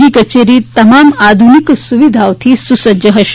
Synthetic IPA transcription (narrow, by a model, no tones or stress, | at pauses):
iːkɐt͡ʃeːɾiːt̪ɐmaːmaːd̪ʱuniksuʋid̪ʱaːwt̪ʰisusɐd͡ʒɐɦɐʃ